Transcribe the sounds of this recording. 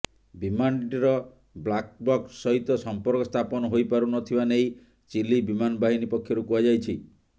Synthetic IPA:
bimaɳʈiɾɔ | blak̚bɔksːɔɦit̪ɔsɔmpɔɾkɔst̪ʰapɔnɔɦojpaɾunɔt̪ʰibanej | t͡ʃilibimanɔbaɦinipɔkʰːjɔɾukuad͡ʒajt͡ʃʰi

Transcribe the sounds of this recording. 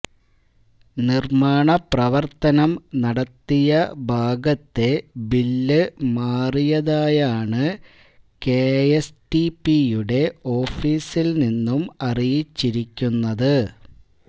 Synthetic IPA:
nirmaːɳɐprɐʋɐrt̪ɐnɐmnɐɽɐt̪ːijɐbʱaːɡɐt̪ːe̞bilːɨmaːrijɐðaːjaːɳɨ | keesʈipijuɽe̞o̞ːfiːsilninːumɐrijit͡ɕːiɾikʲːunːɐðɨ

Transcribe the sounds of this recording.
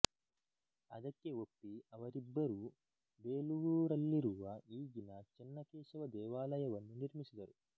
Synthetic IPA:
ɐd̪ɐkːe̞o̞pːiɐʋɐɾibːɐɾu | beːluʋuːɾɐlːiɾuʋɐiːɡinɐt͡ʃɛnːɐkɛːʃɐʋɐd̪ɛːʋaːlɐjɐʋɐnːuniɾmisid̪ɐɾu

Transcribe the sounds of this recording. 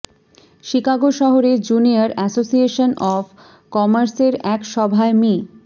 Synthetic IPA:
ʃikaɡoʃɔɦoɾed͡ʑuniaɾɛsosieʃonʔɔf | kɔmaɾseɾɛkʃɔbʱaemi

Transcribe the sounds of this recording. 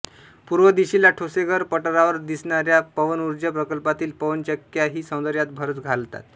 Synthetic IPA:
puɾʋəd̪iɕilaʈʰoseɡəɾpəʈəɾaʋəɾd̪isɳaɾjapəʋənuɾd͡ʑapɾəkəlpat̪iːlpəʋənt͡ɕəkjaɦiːsə̃w̃d̪əɾjat̪̚bʱəɾət͡sɡʱalt̪a̰t̪

